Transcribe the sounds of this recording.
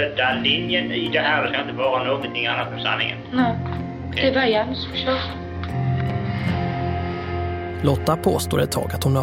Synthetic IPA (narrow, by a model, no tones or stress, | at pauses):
ɛd̪alɪnjənɪd̪ɛɦæːɾd̪ɛskajɪnt̪əvɑːɾanoːɡɔnt̪ʰɪŋanːat̪ɛsanːɪ̰ŋə̰nnæ | kɛvajaansfɔʃɔː | lɔt̪ːapʰoːst̪o̰ːɾɛt̪ʰːɑ̰ːɡat̪hʊna